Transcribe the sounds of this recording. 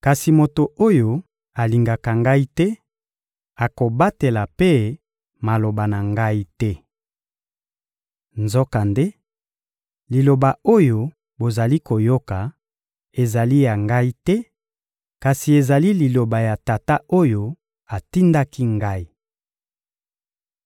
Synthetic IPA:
ka˨si˨mo˨to˨o˦jo˨ | a˨li˨ŋɡa˨ka˨ŋɡa˦i˦tɛ˦ | a˨ko˨ba˦te˨la˨pe˦ | ma˨lo˨ba˨na˨ŋɡa˦i˦tɛ˦ | nzɔ˦ka˨nde˦ | li˨lo˨ba˨o˦jo˦ | bo˨za˨li˦ko˨jo˦ka˨ | e˨za˨li˦ja˨ŋɡa˦i˦tɛ˦ | ka˨si˨e˨za˨li˦li˨lo˨ba˨ja˨ta˨ta˦o˦jo˦ | a˨ti˦nda˦ki˦ŋɡa˦i˦

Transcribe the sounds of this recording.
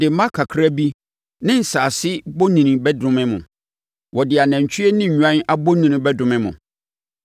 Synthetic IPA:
dɪ˨˦mã˦kʰa˨kʰɾa˦bi˦ | nɪ̃˦n̩˨saː˨sɪ˦bo˦nĩ˨nĩ˨bɛ˦dʊ̃˦mɪ̃˦mʊ̃˨ | wɔ˨dɪ˨a˨næ̃˨ɲ˨t͡ɕʰi˦e˦nɪ̃˦ɲ̩˨ɲᶣu˨ã˦n˦a˦bo˦nĩ˨nʊ̃˦bɛ˦dʊ̃˨mɪ̃˦mʊ̰̃˨

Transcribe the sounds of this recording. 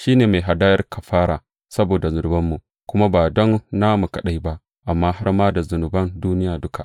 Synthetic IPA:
ʃiː˦neː˨ma˨jɦa˨daː˦jɐ˦rkʰɐ˨ɸaː˦ɽaː˨ | sɐ˦boː˨da˨zʊ˨nʊ˨bɐ˦mːu˨ʔ | kʷʊ˦ma˦baː˨dɔ˦nːa˦mu˨kɐ˨ɗa˦jba˦ʔ | ʔa˨mːaː˦ha˦ɽmaː˦da˨zʊ˨nʊ˨bɐ˦nduː˦nɪ˦jaː˨dʊ˦kʰa˨ʔ

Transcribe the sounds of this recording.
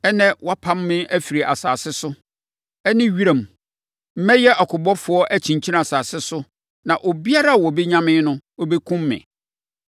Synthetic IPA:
ɛ˦nɛ̃˦wa˦pʰã˦mːɪ̃˦æ˦fi˨ɾi˨ʔa̰˨sa̰ː˨sɪ˦sʊ˦ | ɛ˦nɪ̃˦ɥi˦ɾa˨m˨ | m̩˦mɛ̃˦jɛ˦ʔɔ˨kʰʊ˨bɔ˦fʊ˨˦ɔ˦ʔæ˦t͡ɕʰĩ˨ɲt͡ɕʰi˦na˨saː˨sɪ˦sʊ˦ | nã˨ʔo˨bi˦a˦ɾa˦˨wɔ˨be˦ɲã˦mɪ̃˦nʊ̃˦o˦be˦kʰʊ̃˦mːɪ̰̃˨

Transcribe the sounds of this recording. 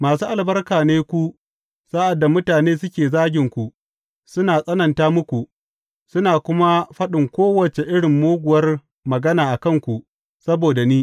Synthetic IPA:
maː˨suː˦ʔa˨lbɐ˦rkaː˨neː˦kʷu˦ | saː˦ʔa˨dːa˨mʊ˦taː˨neː˦sʊ˦kʲeː˨zaː˦ɡʲɪ˨ŋkʷu˨ | sʊ˦naː˨sʼɐ˦nɐ˨ntaː˦mʊ˦kʷu˨ | sʊ˦naː˨kʷʊ˦ma˦ɸɐ˦ɗɪ˨ŋkʷoː˦wɐ˨t͡ʃe˨ʔɪ˦ɽɪ˨mːoː˦ɡʷʊ˨wɐ˦r | mɐ˨ɡɐ˦naː˨ʔa˨kɐ˦˨ŋkʷu˨ʔ | sɐ˦boː˨da˨niː˦

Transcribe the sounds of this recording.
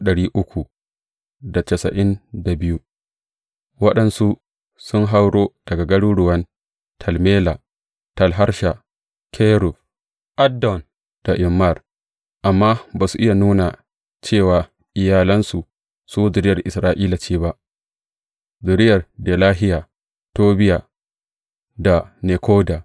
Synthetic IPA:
ɗɐ˨ɽiː˦ʔʊ˦kʷu˨ | da˨t͡ʃɛ˨sɐ̰˨ʔɪ˦nda˨bɪ˦ju˦ | wɐ˦ɗɐ˨nsu˦ | sʊ˦ŋɦa˦wɽoː˦d̥ɐ˨ɡa˨ɡɐ˦ɽu˦ɽʊ˨wɐ˦n | tʰɐ˨lmeː˦la˨ | tɐ˨lɦa˦ɾʃa˨ | kʰe˦ɾu˨f | ʔa˦dɔ˨n | d̥a˨ʔɪ˨mːa˦˨r | ʔa˨mːaː˦baː˨su˨ʔɪ˦ja˨nuː˦na˨ | t͡ʃeː˦˨waː˨ | ʔɪ˨jaː˨lɐ˦nsu˨ | suː˦zʊ˨ɾɪ˦jɐ˨rʔɪ˨sɾaː˨ʔiː˦la˨t͡ʃiː˦ba˦ʔ | zʊ˨ɾɪ˦jɐ˨rdeː˨laː˦ɦɪ˦jaː˨ | toː˦bɪ˦jaː˨ | da˨ne˨kʰoː˦da˨

